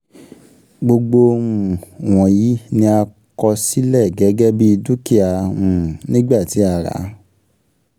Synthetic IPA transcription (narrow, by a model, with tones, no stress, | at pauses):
ɡ͡bo˧ɡ͡bo˧m̃ũ˨w̃ɔ̃˨ji˨˦nĩ˧a˧ | kɔ˧si˦lɛ˦˨ɡɛ˨˦ɡɛ˦bi˦i˧du˦ki˦a˨ũ˨nĩ˦ɡ͡ba˦˨ti˨˦a˦˧˨ɾa̰˨˦